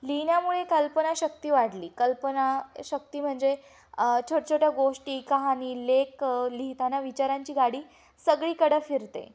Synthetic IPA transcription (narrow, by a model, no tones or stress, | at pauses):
linjamuɭekəlpənaɕək̚t̪iːʋaɽliːkəlpənaɕək̚t̪iːm̤əɳd͡ze | t͡ɕʰoʈt͡ɕʰoʈjaɡoʂʈiːkaɦaniːlekliɦt̪anaʋit͡ɕaɾaɲt͡ɕiːɡaɽiː | səɡɭiːkəɽəfiɾt̪ḛ